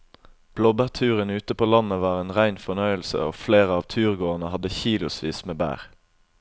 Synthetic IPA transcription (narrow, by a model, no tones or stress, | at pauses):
b̥lɔbəʁt̪ʰʉːʁənʉːt̪əpʰoːlɑnəʋɑːʁeːnʁæɪnfɔnœʏəlsə̰o̰ːfleːʁəɑːʋt̪ʰʉːʁɡoːənəhɑd̪əçiːlʊsʋiːsmeːbæ̰ːʁ